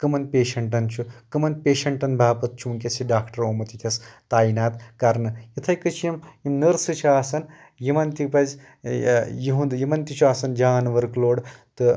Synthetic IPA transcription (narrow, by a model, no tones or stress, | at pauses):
kɨmɐnpeːʃɐɳʈɐnt͡ʃʰukɨmɐnpeːʃɐɳʈɐnbʱaːpɐt̪̚t͡ʃʰuŋkʲesʰiɖaːkʰʈɐɾoːmɐt̪it̪ʲʰɐst̪aːinaːt̪kɐɾnɨjit̪ʰɐjkɨt͡ʃʰijimjimnɨɾsɨt͡ʃʰiaːsɐn | jimɐnt̪ipɐz | jiɦũnd̪jimɐnt̪it͡ʃʰuaːsɐnd͡ʒaːnʋɐɾkloːɽt̪ɨ